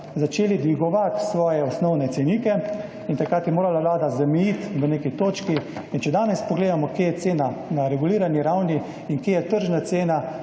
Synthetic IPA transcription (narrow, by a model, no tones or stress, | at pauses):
zat͡ʃeːlid̪ʋiɡɔʋat̪sʋɔːjɛɔsnɔwnɛt̪sɛniːkɛ | int̪ɐkɾaːt̪jɛmoːɾalaʋlaːd̪azamɛjit̪ʋəneːkit̪oːt͡ʃkiint͡ʃɛd̪aːnɛspɔɡleːd̪amɔkjeːjɛt̪seːnanaɾɛɡuliːɾaniɾawni | inkjeːjɛt̪əɾʒnat̪seːna